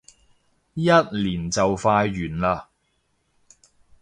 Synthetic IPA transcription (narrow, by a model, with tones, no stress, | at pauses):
jɐ˥t̚liː˨˩nt͡sɐ˨wfaː˧jɥyː˨˩nlaː˧